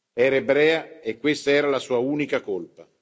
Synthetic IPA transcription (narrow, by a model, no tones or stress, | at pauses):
ɛːɾaebɾɛːaekːwest̪aɛːɾalasuːauːnikakolpa